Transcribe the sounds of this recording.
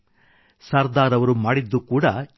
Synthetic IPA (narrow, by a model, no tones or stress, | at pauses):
sɐːɾd̪aːɾɐʋɐɾumaːɽid̪ːukuːɽɐ